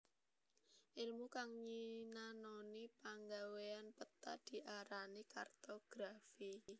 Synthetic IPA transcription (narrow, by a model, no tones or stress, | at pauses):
ʔilmukaŋɲinanɔnipaŋɡaweanpət̪a̰d̪̥i̤ʔaɾanikart̪oɡ̥ɾafi